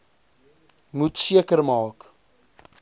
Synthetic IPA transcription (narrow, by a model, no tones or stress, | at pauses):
mutsiəkərmɑːk